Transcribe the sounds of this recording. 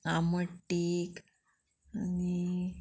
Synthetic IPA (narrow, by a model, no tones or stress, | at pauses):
aməʈːik | ani